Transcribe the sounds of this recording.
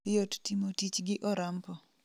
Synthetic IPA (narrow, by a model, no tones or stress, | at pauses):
jottimotit͡ʃɡɪʔɔɾampɔ